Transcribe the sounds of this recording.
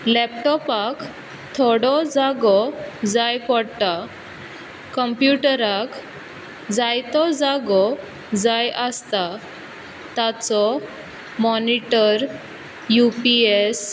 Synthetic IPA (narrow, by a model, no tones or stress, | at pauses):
lɛpʈɔpak | t̪ʰɔɽɔd͡zaɡɔd͡zajpɔɽt̪a | kəmpjuʈɾak | d͡zajt̪ɔd͡zaɡɔ | d͡zajʔəst̪a | t̪at͡sɔ | mɔniʈəɾ | jupies